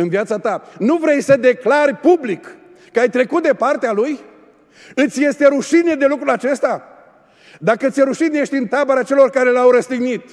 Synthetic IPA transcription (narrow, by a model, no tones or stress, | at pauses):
ɨnviat̪sat̪anuvɾe̞jsəd̪e̞klarʲpublikː | əajt̪ɾe̞kut̪̚d̪e̞part̪ealuj | ɨt̪sʲje̞st̪e̞ɾuʃined̪e̞lukɾulat͡ʃe̞st̪a | d̪akəɨt̪jeɾuʃinje̞ʃt̪ʲɨnt̪abəɾat͡ʃe̞lo̞rkaɾe̞lawɾəst̪iɡnit̪